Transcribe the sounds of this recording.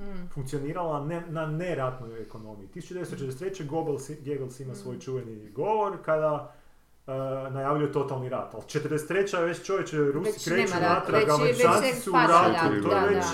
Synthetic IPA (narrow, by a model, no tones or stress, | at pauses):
fuŋkt̪sio̞niːɾalˠanenane̞ɾat̪nojeko̞no̞miit̪isut͡ʃud̪eest̪ot͡ʃet̪ɾd̪eset̪ɾet͡ɕeɡo̞belˠsɡeɡelˠsimasʋo̞jt͡ʃuʋeniɡo̞ʋo̞ɾkad̪a | najaːʋjʎuje̞t̪o̞t̪alˠniɾat̪alˠt͡ʃet̪əɾd̪ese̥t̪ɾe̞t͡ɕaʋet͡ɕt͡ʃo̞ʋjet͡ʃɾusi̥kɾet͡ʃunat̪ɾaɡameɾikaːni̥suuɾat̪ut̪ojeʋet͡ʃ